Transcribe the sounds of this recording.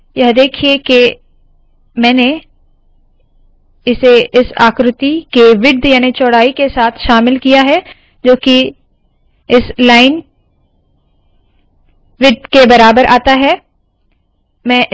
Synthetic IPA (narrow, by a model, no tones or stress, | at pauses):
jɐɦd̪eːkʰieke | mɛ̃ːne | ɪseʔɪsa̰ːkɾʊt̪ikeʋɪɖd̪jaːnit͡ʃɔːɽaːikesaːt̪ʰʃaːmɪlkijaɦɛ | d͡ʒoːki | ɪslaːɪn | ʋɪɖd̪kebɐɾaːbəɾʔaːt̪aɦɛ | mɛ̃ːʔ